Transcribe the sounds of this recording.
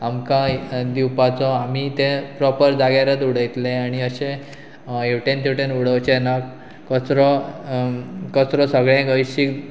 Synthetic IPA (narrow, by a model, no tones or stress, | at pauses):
amkãd̪iwpat͡sɔamit̪epɾɔpəɾd͡zaɡaɾət̪uɽ̤əjt̪leaɽ̃iəɕẽ | ewʈẽnt̪ʰiwʈenuɽ̤əwt͡ɕena | kəsɾɔ | kəsɾɔsəɡɭẽɡəjɕik